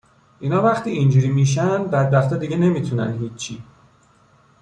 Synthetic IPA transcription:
ʔiːnɒːvæχt̪iːind͡ʒuːɾiːmiʃ̬ænbæd̪̚bæxt̪ʰɛːd̪iːɟene̞mit̪ʰunæ̰nɦiːt͡ʃʰːiː

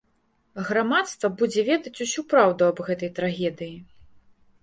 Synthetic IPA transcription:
ɣɾamat̪st̪vɐbud͡zʲɛvʲɛd̪ɐt͡sʲusʲupɾawd̪uɐbɣɛt̪ɐjt̪ɾaɣʲɛd̪ɨji

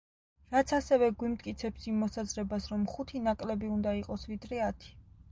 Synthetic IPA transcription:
ɾat̪sʰasɛvɛɡwimt̪̚ʰʼkʼit̪sʰɛpsimːɔsazɾɛbasɾɔmχut̪ʰinakʼlɛbiund̪aiqʼɔsvid̪ɾɛat̪ʰi̥

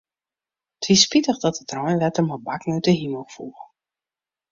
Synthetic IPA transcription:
tʰʋispitəχdɔtətrɔjnlɛtəmɔbaknøɥtəɦiməlˠfuː

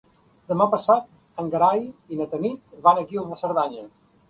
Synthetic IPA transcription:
d̪əmapəsat̪̚ | əŋɡəɾajinət̪ənit̪βanəɣioβəsəɾðaɲə

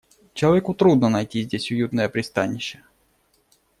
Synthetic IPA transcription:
t͡ɕɪlˠɐvʲekʊt̪ɾud̪nənɐjtʲizʲdʲesʲʊjut̪nəjəpɾʲɪst̪anʲːɪɕːə

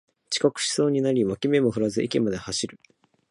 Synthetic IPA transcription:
t͡ɕi̥kakɯ̟̥ɕi̥so̞ːɲ̟inaɾʲimakʲime̞moɸɯ̟ɾazɨʔikʲimad̪e̞haɕiɾɯ̟

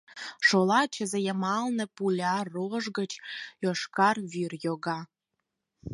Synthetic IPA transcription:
ʃolɑt͡ɕəzĕjəmɑlnə̆pulʲɑroʒɡə̆t͡ɕoʃkɑrβyrjoɣɑ

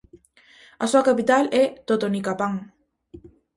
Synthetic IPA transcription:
asuakapit̪alɛt̪ot̪onikapaŋ

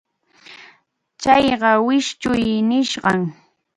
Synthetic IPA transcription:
t͡ʃɑjɢɑwɪʃt͡ʃʊjnɪʃɢɑŋ

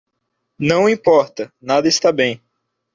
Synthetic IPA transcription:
nɐ̃w̃ĩpɔɾt̪ɐnad̪ɐɪst̪abẽj̃

